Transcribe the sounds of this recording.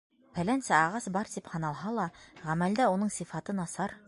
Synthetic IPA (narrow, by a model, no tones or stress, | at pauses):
hælænsæɑʁɑsbɑɾt̪iphɤ̆nɑlˠɦɑlˠɑʁæmæld̪æunɤɴsifɑt̪ɤnɑsɑɾ